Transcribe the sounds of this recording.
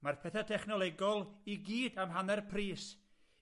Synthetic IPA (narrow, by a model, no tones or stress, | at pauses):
marpʰɛθatʰɛχnɔlˠɛɡɔlˠiɡiːdamɦanɛrpʰriːs